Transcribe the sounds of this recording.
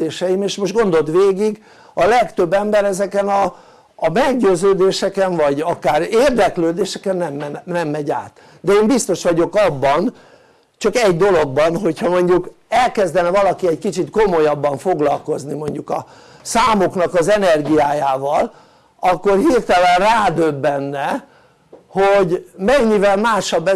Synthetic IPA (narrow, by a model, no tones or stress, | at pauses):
eːʃɛjimeːʃmoʃʒt̪ɡo̞nd̪o̞t̪ʋeːɡiɡ | ɒlɛkt̪ø̞bːɛmbɛɾɛzɛkɛnɒː | mɛɡɟøːzøːd̪eːʃɛkɛɱvɒɟɒkaːɾeːrd̪ɛkløːd̪eːʃɛkɛnːɛmːɛnnɛmːɛɟa̰ːt̪ | d̪ɛeːmbist̪o̞ʃʋɒɟo̞kɒbːɒn | t͡ʃɒkɛɟd̪o̞lo̞ɡ̚bɒnɦo̞chɒmo̞ɲɟukɛlkɛzd̪ɛnɛvɒlɒkiɛckit͡ʃit̪ko̞mo̞jɒbːɒɱfo̞ɡlɒlko̞znimo̞ɲɟukɒ̰ | saːmo̞knɒkɒzɛnɛrɡijaːjaːvɒl | ɒkːo̞rhirt̪ɛlɛnraːd̪øbːɛnːɛ | hoɟmɛɲːivɛlmaːʃɒbːɛ